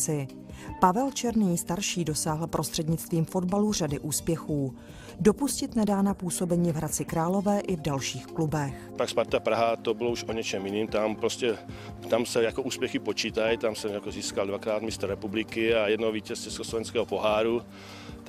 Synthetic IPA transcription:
ɪ | pavɛlt͡ʃɛɾniːst̪aɾʃiːdo̞saːɦl̩pɾʔo̞st̪r̥ɛdɲɪt͡st̪viːmfo̞dbalur̝adɪʔuːspjɛxuː | do̞puscɪt̪nɛdaːnapuːso̞bɛɲiːvɦɾat͡sɪkɾaːlo̞vɛːʔɪvdalʃiːxklubɛx | pakspaɾt̪apɾaɦat̪ɔbilouʃoɲɛt͡ʃɛmjiniːmt̪ampɾoscɛ | t̪amsɛjakɔuːspjɛxipot͡ʃiːt̪ajt̪amsɛmjakoziːskald̪ʋakɾaːd̪mist̪rːɛpublikɪajɛd̪nɔviːcɛst͡ʃɛskoslɔvɛnskɛːɦɔpoɦaːɾu

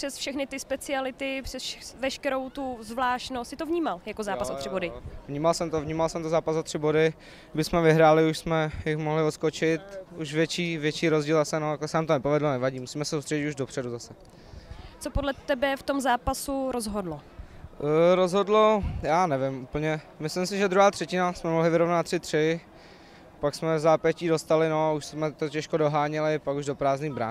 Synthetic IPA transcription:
pr̥ɛsfʃɛxnɪt̪ɪspɛt͡sɪalɪt̪ɪpr̥ɛsʃɛvɛʃkɛɾo̞wt̪uzvlaːʃtnost̪sɪt̪ovɲiːmaljakozaːpasot̪r̥ɪbodɪvɲiːmalsɛmt̪ovɲiːmalsɛmt̪ozaːpasot̪r̝̥ɪbodɪ | bɪsmɛvɪɦɾaːlɪuʃsmɛjɪxmoɦlɪot̪skot͡ʃɪt̪uʃvjɛt͡ʃiːvjɛt͡ʃiːɾozɟiːlasɛnot̪akɛsɛnaːmt̪onɛpovɛdlonɛvaɟiːmusiːmɛsɛ̥sowst̪r̥ɛɟɪt̪uʒdopr̝̥ɛduzasɛ | t͡sopodlɛt̪ɛbɛft̪omzaːpasuɾozɦodlo | ɾozɦodlojaːnɛvɪmuːpl̩ɲɛ | mɪslɪmsɪʒɛd̪ɾuɦaːt̪r̥ɛcɪnasmɛmoɦlɪvɪɾo̞vnat̪ːrɪt̪r̥ɪ | paksmɛzaːpɛciːdo̞st̪alɪnoauʃsmɛt̪ocɛʃkodo̞ɦaːɲɛlɪpakuʒdo̞pɾaːzniːbɾa̰

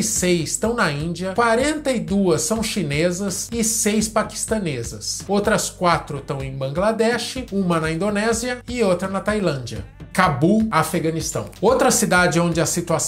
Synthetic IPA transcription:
sejst̪ɐ̃w̃nɐĩd͡ʒiɐkwaɾẽnt̪ɐɪd̪uɐsːɐ̃w̃ʃinezɐsɪsejspaki̥st̪ɐnezɐsowt̪ɾɐskwat̪ɾʊt̪ɐ̃w̃ẽj̃bɐ̃ŋɡlad̪ɛʃɪũmɐnɐĩnd̪onɛziɐɪowt̪ɾɐnɐt̪ajlɐ̃nd͡ʒiɐ̰kabuafeɡɐ̃nist̪ɐ̰̃w̃owt̪ɾɐsid̪ad͡ʒɪõnd͡ʒɪɐsit̪uas

